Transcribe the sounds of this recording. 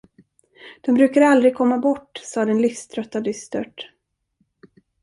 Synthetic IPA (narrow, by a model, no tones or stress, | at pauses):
d̪̥ɔmbɾʉ̟ːkaɾald̪ɾɪɡ̚kʰɔmːabɔʈːsɑːd̪ɛnlɪfst̪ʰɾœt̪ːad̪ʏst̪œʈ